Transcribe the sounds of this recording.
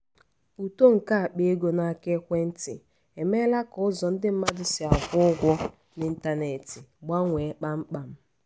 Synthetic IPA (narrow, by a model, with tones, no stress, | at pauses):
u˨to˦ŋ̩˨ka˦a˨k͡pe˦e˦ɡo˦na˦˨ke˦kʷe˦n̩˦tɪ̰˨ | e˨me˦la˦kʊ˨˦ʊ˦zɔ˨n̩˦dɪ˦m̩˦ma˦dʊ˨sɪ˨a˨ɡʷʊ˦ʊ˦ɡʷɔ˦ | nɪ˨n̩˦ta˦ne˨tɪ˨ɡ͡ba˦ŋʷe˨˦k͡pa˦ŋ͡m̩˦k͡pa˨m̩˦